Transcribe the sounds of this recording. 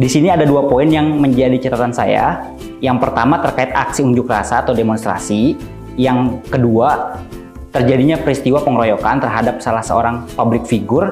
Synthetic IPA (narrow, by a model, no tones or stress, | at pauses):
disiniadaduapoɪnjaŋməɲd͡ʒadit͡ʃat̪at̪ansa̰ja̰ | jaŋpərt̪amat̪ərkaɪt̪aksiuɲd͡ʒʊkrasaːt̪awdemɔnst̪ɾa̰si | jaŋkədua | t̪ərd͡ʒadiɲapɾist̪iwapəŋɾojokant̪ərɦadap̚salahsə̰o̰ɾaŋpablɪk̚fiɡʊr